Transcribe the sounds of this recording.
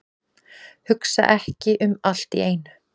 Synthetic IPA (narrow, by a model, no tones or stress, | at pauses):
hʏksa̰ʔɛhcɪʔʏmal̥t̪ḭeːjn